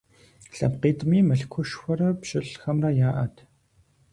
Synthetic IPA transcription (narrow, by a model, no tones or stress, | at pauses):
ɬɐ̰pqiːtʼmiːmɐɬkʷʰʊʃxʷɔrɐpɕɪɬxɐmrɐjaːʔɐtʰ